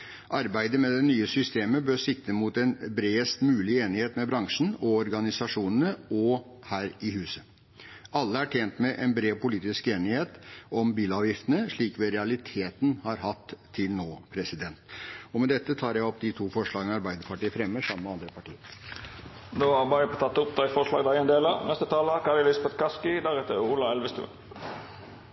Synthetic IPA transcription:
ʔɑɾbæɪd̪əmɛd̪ɛnyːəsʏst̪eːməbøːɾʂɪk̚t̪əmut̪ɛnbɾeːəst̪mʉːlɪeːnɪheːt̪mɛbɾɑŋʂɳ̩ɔɔɾɡɑnɪsɑʂuːnənəɔ | hæːɾɪhʉːsə | ɑlːəæʈʰjeːnt̪mɛʔɛnbɾeːʋpʊliːt̪ɪskeːnɪheːt̪ɔmbiːlɑːʋjɪft̪ənəʂɭiːkʋɛɾɛɑlɪt̪ʰeːt̪n̩hɑɾhɑt̪ʰːɪlnoːpʰɾɛsɪd̪ɛnt̪ɔmɛd̪ɛt̪ːət̪ʰɑːɾjæɪɔpːd̪ɪt̪ʰuːfɔʂɭɑːɡənəɑɾbæɪd̪əɾpʰɑʈiːəfɾɛmːəʂɑmːəmɛɑnd̪ɾəpʰɑʈiːəɾ | noːɑbɑɾəpʰot̪ɑt̪ːʊpd̪æɪfɔʂɭɑ̰ːɡd̪æɪɛnd̪eːlɑnɛst̪ət̪ʰɑːləkʰɑɾɪlɪsɑbɛt̪kʰɑskɪd̪æɾɛːt̪əɾulɑɛlʋəst̪ʉ̰ː

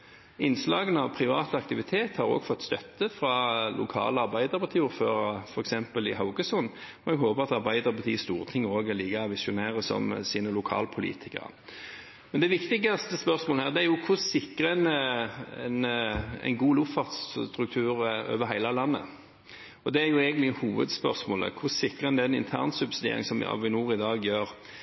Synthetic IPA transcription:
ɪnːslɑːɡənɑʋpʰʁɪʋɑːt̪əɑkt̪ɪʋɪt̪ʰeːt̪hɑɾɔ̰ːɡfɔt̪ːst̪œt̪ːəfʁɑlʊ̰kʰɑ̰ːləɑʁbæɪd̪əʁpʰɑʁt̪ʰiːʊɾføːʁɑfɔɾɛksɛmpəlɪɦɑʊɡəsʊn | ɔɛɡɦoːbəʁɑt̪ɑʁbæɪd̪əʁɾpʰɑt̪ʰiːəst̪uːʁət̪ʰɪŋːəoːɡɛliːɡɑʋɪsʊnæːʁəsɔ̰msiːnəlʊkʰɑ̰ːlpʰʊlḭːt̪ʰɪkə̰ʁə̰ | mɛnd̪ɛʋɪkt̪ɪɡɑst̪əspœʁsmoːləhæːʁd̪ɛæɾjʊkʰʊsɪkːʁəɛn | ɛnɛ̰ɪnɡuːlʊffɑʁt̪st̪ɾʉkt̪ʰʉːɾø̰ːʋəɾɦæɪlɑlɑnːə̰ | ɔd̪ɛæɾjʊeːɡənt̪lɪhuːʋə̰d̪spœ̰ʁsmoːlə̰kʰʊsɪkːʁəɛnd̪ɛnɪ̰nt̪ʰæ̰ːʁnsʉbsɪd̪ḛːɾɪ̰ŋsɔm̰ːʋɪnuːɾɪd̪ɑːɡjøːʁ

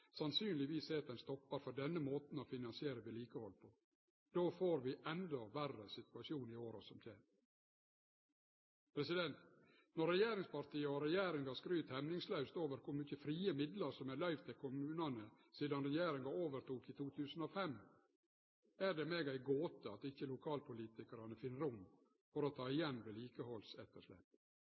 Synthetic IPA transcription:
sɑnsyːnlɪʋiːseːt̪̚d̪ɛnst̪ɔpːɑɾfɔɖɛnːəmoːt̪n̩ɔfɪnɑnsɪeːɾəʋɪliːkəhɔlːpʰɔ | d̪̥oːfoːɾʋɪʔɛnd̪ɔʋærəsɪt̪ʉɑʃjuːnɪoːɾɔsɔmt̪ʰjeːn | pʰɾɛsɪd̪ɛnt̪ | nɔɾɛjeːɾɪŋspɑɾt̪ʰiːəɔɾɛjeːɾɪŋɡɑskɾyːt̪hɛmnɪŋslœʉst̪oːʋəɾkʰʊɾmʏçəfɾiːəmɪd̪ləɾsɔmælɑɪʋt̪ʰɪlkʰʊmʉːnɑnə | siːd̪ɑnɾɛjeːɾɪŋɑoːʋəɾt̪uːkɪt̪ʰuːt̪ʰʉːsn̩ɔfɛm | æɾɖ̪ɛmeːɡæɪɡoːt̪əɑt̪ɪçəlʊkʰɑːlpʰʊliːt̪ɪkɑɾɑnəfɪnːəɾʊm | fɔɾɔt̪ʰɑːɪjɛnːd̪ɛliːkəhɔlsɛt̪ːəʂlɛ̰pː

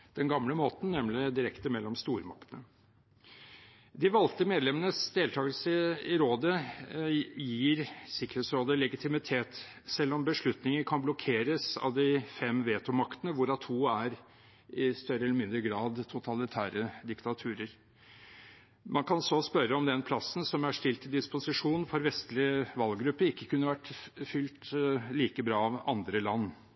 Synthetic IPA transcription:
d̪̥ɛnɡɑmləmoːt̪n̩nɛmlɪd̪ɪɾɛkt̪əmɛlːɔmst̪uːɾəmɑ̰kt̪ənə | d̪ɪʋɑlt̪əmeːd̪lɛmənəsd̪eːlt̪ʰɑːɡəlsəɪɾoːd̪ə | jiːɾsɪkəɾheːt̪sɾoːd̪əlɛɡɪt̪ʰɪmɪt̪ʰeːt̪ | sɛlːɔmbəʂɭʉt̪nɪŋəkʰɑnblɔkʰeːɾəsɑ̰ʋd̪ɪfɛmʋeːt̪ʊmɑkt̪ənəʋʊɾɑt̪ʰuːæɾ | ɪst̪œɾəɛləɾmɪnd̪ɾəɡɾɑːd̪t̪ʰʊt̪ʰɑlɪt̪ʰæːɾəd̪ɪkt̪ɑt̪ʰʉːɾəɾ | mɑnkʰɑnsɔspœɾːəɔmd̪ɛnpʰlɑsnsɔmæʂt̪ɪlt̪ɪd̪ɪspʊsɪʂuːnnfɔɾʋɛst̪lɪəʋɑlɡɾʉpːəɾɪkːəkʰʉnːəʋæʈːfʏlt̪liːkəbɾɑːɑʋɑ̰nd̪ɾəlɑnː

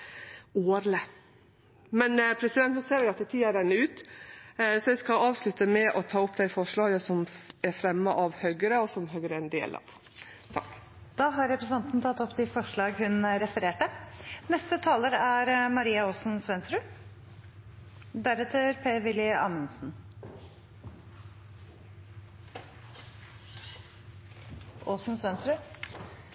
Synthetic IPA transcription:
oːɾlə | mɛnpʰɾɛsɪd̪ɛnt̪nɔseːɾɛɡɑt̪ɛt̪ʰiːɑd̪ɛnːəʉːt̪ | sɔɛɪskɑɑːʋslʉt̪ːəmɛʔɔt̪ʰɑːʊpd̪æɪfɔʂɭɑːɡəsɔmɛɾfɾɛmːəʔɑʋhœɡəɾəɔsɔmɦœɡəɾəɛnd̪ḛːlʔɑ̰ʋ | t̪ʰɑk | d̪̥ɑːɦɑɾɛpɾəsɪɛnt̪nt̪ʰɑt̪ːɔpːd̪ɪfɔʂɭɑːɡhʉnɾɛfəɾeːʈənɛst̪ət̪ʰɑːləɾæɾmɑɾiːɑoːsn̩sʋɛnst̪ɾʉ | d̪æɾɛt̪ʰəɾpʰeːʋɪlɪɑ̰ːmənsn̩ | ʔoːsnsʋɛnst̪ɾʉ

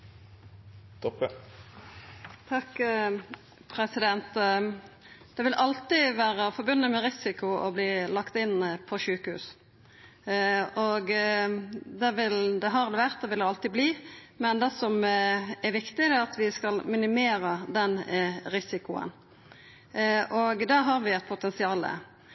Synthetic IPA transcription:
t̪ʰɔpə | t̪ʰɑk | pʰɾɛsɪd̪ɛnt̪ | d̪̥ɛʋɪlʔɑlt̪ɪʋæːɾəfɔɾbʉnːəmɛɾɪsɪkʊɔbliːlɑkt̪ɪnːpʰɔʃʉːkəhʉ̰ːs | ɔɡ | d̪ɛʋɪld̪ɛɦɑɾd̪ɛʋæʁt̪̚d̪ɛʋɪlɛɑlt̪ɪbliː | mɛnd̪ɛsɔmɛɾʋɪkt̪ɪd̪ɛɑt̪ʋɪskɑlmɪnɪmeːɾəd̪ɛnɾɪsɪkʊə̰n | ɔɡd̪æɦɑɾʋɪæt̪̚pʰʊt̪ɛnsɪɑːlə̰

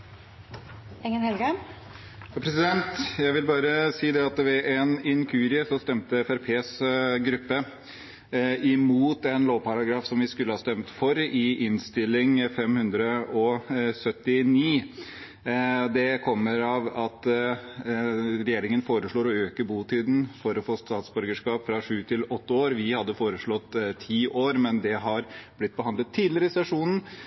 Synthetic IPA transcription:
ɛŋːənhɛlɡə | jɑpʰɾɛsɪd̪ɛnt̪jæɪʋɪlbɑːɾəsiːd̪ɛɑt̪ʋɛʔɛnɪŋkʰʉːɾɪsɔst̪ɛmt̪əɛfæɾpʰeːsɡɾʉpːə | ɪmuːt̪ɛnloːʋpɑɾɑɡɾɑːfsɔmʋɪskʉlːəhɑːst̪ɛmt̪fɔɾɪʔɪnst̪ɪlːɪŋfɛmhʉnd̪ɾəɔsœt̪ːɪniː | d̪ɛkʰɔmːəɾɑːʋɑt̪ | ɾɛjeːɾɪŋənfoːɾəʂɭoːɾɔøːkəbuːt̪ʰyːd̪n̩fɔɾɔfoːst̪ɑːt̪sbɔɾɡəʂkɑːpfɾɑʂʉːt̪ʰɪlɔt̪ːəoːɾʋɪhɑd̪ːəfoːɾəʂɭɔt̪ːt̪ʰːiːʔoːɾmɛnd̪ɛɦɑɾblɪt̪̚ːbəhɑnd̪ət̪ʰːiːd̪lɪəɾəɪsɛʂuːnn̩

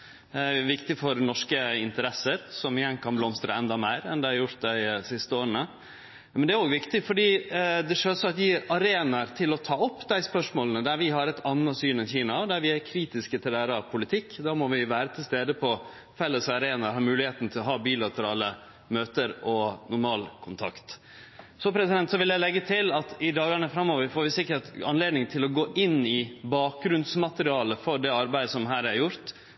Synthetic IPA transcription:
æʋɪkt̪ɪfɔɾnɔʂkəɪnt̪əɾɛsːəɾsɔmɪjɛŋkʰɑnblɔmst̪ɾə̰ɛnd̪ɑmeɪɾɛnd̪ɛhɑɾjʊɾt̪̚d̪æɪsɪst̪əoːɾəɳə | mɛnd̪ɛæɾoːɡʋɪkt̪ɪfɔɖiːd̪ɛʂøːɾsɔɑt̪ʋɪɑɾeːnɑɾt̪ʰɪlɔt̪ʰɑːɔpːd̪æɪspœʂmoːlənəd̪æɾʋɪɦɑɾɛt̪ʰɑnːɑt̪syːnɛnçiːnɑɔd̪æɾʋɪæɾkʰɾiːt̪ɪskət̪ʰɪlæːɾəɑʋpʰʊlɪt̪ʰɪkːd̪ɑːmɔʋɪʋæːɾət̪ʰɪlst̪eːd̪əpʰɔ | fɛlːəsɑɾeːnɑɾhɑːɾmʉːlɪheːt̪n̩t̪ʰɪlɔɦɑːbiːlɑt̪əɾɑːlə | møːt̪əɾɔnʊɾmɑːlkʰʊnt̪ʰɑ̰kt̪ | sɔpʰɾɛsɪd̪ɛnt̪sɔʋɪljæɪlɛɡːət̪ʰɪlɑt̪ɪd̪ɑːɡɑɳəfɾɑmːoːʋəɾfoːɾʋɪsɪkːəʈɑ̰nleːd̪nɪŋt̪ʰɪlɔɡoːʔɪnːɪbɑːk̚ɡɾʉnsmɑt̪əɾɪɑːləfɔɖɛɑɾbæɪd̪əsɔmɦæːɾæɾjʊɾt̪

